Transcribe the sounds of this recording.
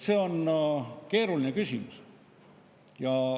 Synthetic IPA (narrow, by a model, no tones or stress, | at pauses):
se̞ːo̞n | ke̞ːɾulinekysʲimus | jɑ